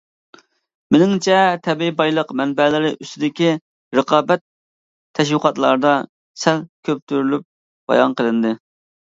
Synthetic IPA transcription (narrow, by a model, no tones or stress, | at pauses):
menɪŋt͡ʃʰɛt̪ʰɛbibɑjlˠəqmɛnbɛlɪɾɪʔyst̪ɪd̪ɪkʲi | ɾəqʰɑːbɛt̪̚ʰː | ɛʃ̬wəqɑt̪lˠɑ̰ɾd̪ɑ | sɛlkʲʰøp̚t̪ʰyɾylyp̚ | b̥ɑ̰jɑ̰nqʰəlˠɨnd̪ɨ